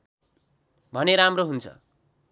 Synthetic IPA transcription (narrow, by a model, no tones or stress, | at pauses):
bʱʌneɾamroɦunt͡sʰʌ̰